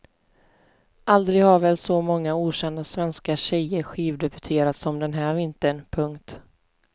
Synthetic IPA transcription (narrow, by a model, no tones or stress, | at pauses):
ʔald̪ɾɪɡhaɾvɛːlsɔmɔŋːauːɕɛnd̪asvɛnskaɕɛjəɾɧiːvd̪ɛbɵt̪ʰeːɾat̪sɔmd̪ɛnɦæːɾvɪnt̪ənpʰɵŋkt̪